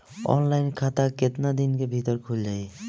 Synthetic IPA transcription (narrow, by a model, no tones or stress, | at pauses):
ɔ̰nlajnkʰat̪aket̪nad̪inkebʱit̪oɾkʰuld͡ʑaj